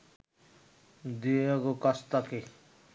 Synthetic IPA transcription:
d̪iekokʌst̪ʌke

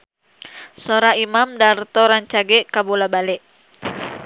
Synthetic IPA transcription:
sɔɾaimamdart̪ɔɾaɲt͡ʃaɡɛkabolabalɛʔ

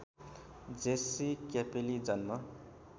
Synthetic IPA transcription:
d͡zesikapelid͡zʌnmʌ

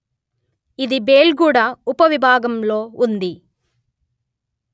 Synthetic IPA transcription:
id̪ibeːlɡuːɽɐupɐʋibʱaːɡɐmlo̞ːund̪i

